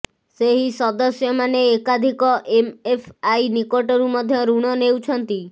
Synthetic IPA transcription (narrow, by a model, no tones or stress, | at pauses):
seɦisɔd̪ɔsjɔmaneːkad̪ʱikɔʔemepʰajnikoʈɔɾumɔd̪ʱjɔɾuɽ̃ɔnewt͡ʃʰɔnt̪i